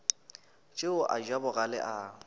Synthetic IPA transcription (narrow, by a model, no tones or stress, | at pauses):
t͡ʃʼɪʊʔa̰d͡ʒwabʊɣalɪ̰ʔa